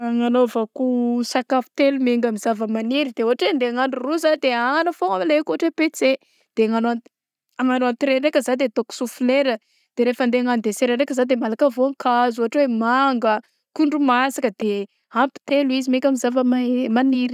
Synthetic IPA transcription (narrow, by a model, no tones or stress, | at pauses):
aŋanovokusakapi̥t̪elumeŋɡamizavəmaniɾid̪euɦaʈ͡ʂwend̪eaŋanɖ͡ʐuruzad̪eaŋanəfoamlekuaʈ͡ʂwepet͡se | d̪̥eaŋanoa | aŋanoant̪ɾeɾekəzad̪et̪oku̥sufileɾə | d̪̥eɾefand̪eaŋanid̪eseɾaɾekəzad̪emalakavoaŋkʰazuɦaʈ͡ʂwemaŋɡə | kuɳɖ͡ʐumasakəd̪̥e | ampi̥t̪eluizimeŋɡʲamizavəmamaniɾi̥